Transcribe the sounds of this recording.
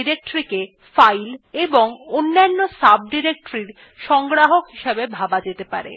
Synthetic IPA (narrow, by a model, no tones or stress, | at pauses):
iɾek̚ʈɾike | fajleboŋonːanːosab̚ɖiɾek̚ʈoɾiɾ | ʃɔŋɡɾaɦokɦiʃabebʱabad͡ʑet̪epa̰ɾḛ